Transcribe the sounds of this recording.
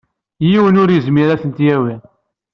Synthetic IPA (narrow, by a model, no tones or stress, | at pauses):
jiwənʊɾjəzmiɾæθənt̪jæwiʁ